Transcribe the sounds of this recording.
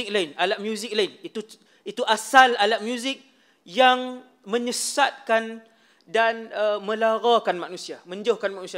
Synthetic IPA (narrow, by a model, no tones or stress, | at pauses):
k̚laɪnalat̪̚mjuzɪk̚laɪnit̪u | it̪uʔasalalat̪̚mjuzɪk̚ | jaŋ | mə̃ɲəsat̪̚kan | danəmə̃laɾakanmanũsiamə̃ɲd͡ʒohkanmanũsia